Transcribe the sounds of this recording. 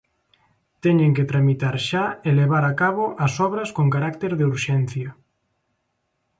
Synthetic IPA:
t̪ɛɲeŋket̪ɾamit̪aɾʃaeleβaɾakaβoʔɐsɔβɾɐskoŋkaɾakt̪eɾðeuɾʃɛnθjɐ

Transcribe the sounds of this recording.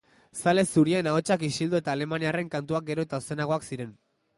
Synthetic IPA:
sale̞suɾienao̞t͡ʃakisild̪oe̞t̪aːle̞maniare̞ŋkant̪uak̚ɡe̞ɾo̞et̪aose̞naɣo̞aksiɾe̞n

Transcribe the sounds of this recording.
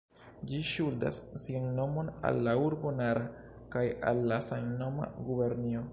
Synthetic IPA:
d͡ʒiʃulda̰sːionːo̞mo̞na̰lːauɾbo̞naɾa | kaja̰lːasajno̞ma̰ɡube̞ɾnio

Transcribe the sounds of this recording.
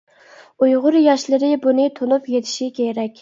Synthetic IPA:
ujʁʊɾjɑʃlɪɾɪbunɪt̪ʰonupjet̪ʰɪ̥ʃikʲʰeɾɛkʲ

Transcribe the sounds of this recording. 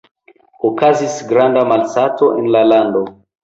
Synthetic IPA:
okazisɡɾandamalsato̞ʔenlalando̞

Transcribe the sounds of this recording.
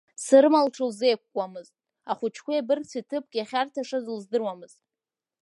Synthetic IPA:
sɨɾɨmalʈ͡ʂʰɨlzejkʷkʷʼamɨztʼ | aχʷʊt͡ʃʰkʷaabɨrt͡sʰitʰɨp̚ʼkʲʼaχʲartʰaʂazɨlzdɨrwamɨz̥tʼ

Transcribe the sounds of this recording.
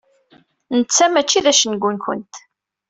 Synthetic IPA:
nət͡sːæmæt͡ʃːiðæʃənɡʷunkʷə̰nt̪

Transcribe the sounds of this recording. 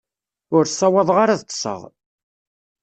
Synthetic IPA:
ʊɾsˤːɑwɑðˤʁaɾaðt̪ˤːsˤə̰ʁ

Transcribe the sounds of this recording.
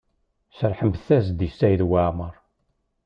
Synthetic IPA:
səɾˤħəmbθæz̬d̪isːæjðwaʕməɾˤ

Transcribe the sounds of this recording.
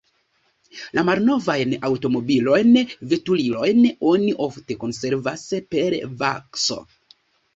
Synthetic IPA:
lamalno̞vajnawto̞mo̞bilo̞jnve̞tulilo̞jno̞niʔo̞fte̞ko̞nse̞ɾvaspe̞ɾva̰kso̞̰

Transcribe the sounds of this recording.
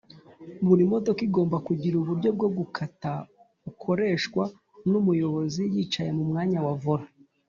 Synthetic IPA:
βuɾimo̞to̞kiɡo̞ːmbakuɟiɾuβuɾɟo̞b̚ɡo̞ɡukʰata | ukʰo̞ɾe̞ːʃkwa | numujo̞βo̞zijit͡ʃaje̞mumŋaːɲawavuɾa

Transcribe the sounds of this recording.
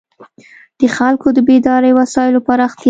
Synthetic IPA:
d̪̥əxalkod̪əbed̪ɑɾəjwasɑjɪlopaɾɑxt̪i

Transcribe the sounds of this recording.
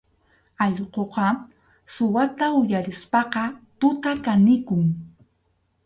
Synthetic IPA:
ɑʎqoqɑ | sʊwat̪aʊjaɾɪspɑqɑt̪ʊt̪akanɪkʊŋ

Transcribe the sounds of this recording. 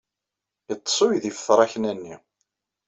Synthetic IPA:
ət͡sˤːsˤʊjðifə̥θɾˤɑçnænːḭ

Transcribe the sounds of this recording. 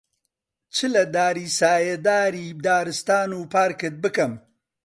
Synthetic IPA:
t͡ʃʰɨlɐd̪aːɾiːsaːjed̪aːɾiːd̪aːɾɨst̪aːnuːpʰaːɾkɨt̪̚bɨkɐm

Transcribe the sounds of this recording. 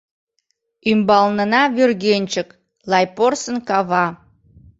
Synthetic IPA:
ymbɑlnənɑβørɣenʲt͡ɕək | lˠɑjporsənkɑβɑ

